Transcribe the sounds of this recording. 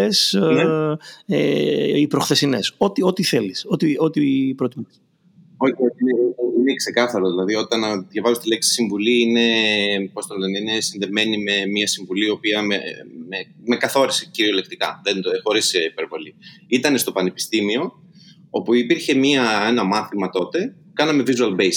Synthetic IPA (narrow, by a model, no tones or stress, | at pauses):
es | eipɾo̞xθe̞sine̞so̞t̪io̞t̪iθe̞liso̞t̪io̞t̪ipɾot̪imɐ | o̞ioineiinekse̞kɐθɐɾo̞ðilɐðio̞t̪ɐnɐðʝɐvɐzost̪ileksi̥siɱvuliine̞post̪onðeninesinðe̞me̞nime̞miɐsiɱvuliopiɐmḛme | me̞kɐθo̞ɾiseciɾio̞le̞kt̪ikɐ̰ðenxo̞ɾiseipe̞ɾvo̞liit̪ɐne̞st̪o̞pɐne̞pi̥st̪imio̞ | o̞puipiɾçe̞miɐe̞nɐmɐθimɐt̪o̞t̪e̞ | kɐnɐme̞vizuɐlbejs